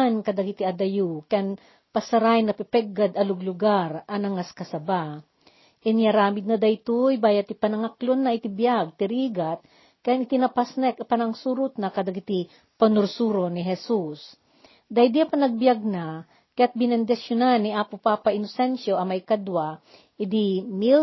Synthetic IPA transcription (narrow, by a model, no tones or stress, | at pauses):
nkɐd̪ɐɡit̪iɐd̪ɐjukɐjan | pɐsɐɾajnɐpɛpɛɡːad̪ɐlʊɡlʊɡaɾɐnɐŋaskɐsɐba | ʔɛnjaɾaːmɪd̪̚nɐd̪ɐjt̪ujbaːjɐt̪ipɐnɐŋaklonːɐɪt̪ɪbjaɡ̚t̪ɪɾiːɡat̪̚ | kɐjanɪt̪inɐpasnpɐnɐŋsuɾʊt̪̚nɐkɐd̪aɡkɪt̪i | pɐnʊɾsuːɾonɪɦɛsus | d̪ajd̪iapɐnɐɡ̚bjaɡ̚na | kɐjat̪̚bɪnɛnd̪ɪsjonanːiʔaːpʊpapaʔɪnosɛnʃoʔɐmɐjkad̪wa | ʔɪd̪imil